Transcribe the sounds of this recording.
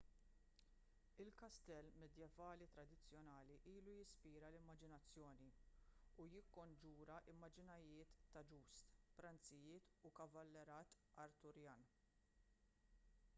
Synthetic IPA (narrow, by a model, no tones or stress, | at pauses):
ɪlkɐst̪ɛlːmɛd̪jɛvɐːlit̪ɾɐd̪ɪt͡sːjɔnɐːliʔiːlujɪspiːɾɐlɪmːɐd͡ʒɪnɐt͡sːjɔːniujɪkːɔnd͡ʒuːɾɐʔɪmːɐd͡ʒɪnɐjɪːt̪ːɐd͡ʒuːst̪pɾɐnt͡sɪjɪːt̪ukɐvɐlːɛɾɐːt̪ | ɐɾt̪ʊɾjɐːn